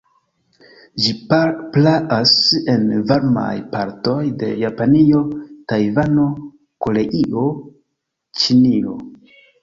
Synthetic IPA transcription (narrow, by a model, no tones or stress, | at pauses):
d͡ʒiplaʔase̞nvaɾma̰jpaɾto̞jde̞̰japanio̞tajvano̞ | ko̞le̞ʔiʔo̞ | t͡ʃinio̞̰